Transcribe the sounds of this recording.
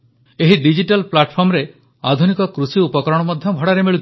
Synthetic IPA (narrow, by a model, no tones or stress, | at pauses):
eɦiɖid͡ʒiʈalplaʈpʰɔmɾe | a̰d̪ʱunikɔkɾusiupɔkɾɔɽ̃ɔmɔd̪ʱjɔbʱɔɽaɾemiɭut̪